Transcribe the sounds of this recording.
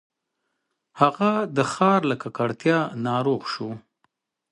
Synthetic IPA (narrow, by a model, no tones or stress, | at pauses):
haɣad̪əxɑɾlakakaɽt̪jɑnɑɾoɣʃu